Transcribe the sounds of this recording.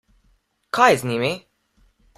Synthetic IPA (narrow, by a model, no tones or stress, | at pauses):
kʰajznʲiːmi